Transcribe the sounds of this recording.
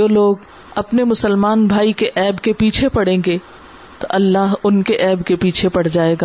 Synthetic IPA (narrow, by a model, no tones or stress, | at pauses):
oːloːɡ | ɐpnemʊsəlmaːnbʱaːikeʔɛːbkepiːt͡ʃʰepɐɽẽːŋɡe | t̪oʔɐlːaːɦʊnkeʔɛːbkepiːt͡ʃʰepɐɽ̤d͡ʒaːeːɡaː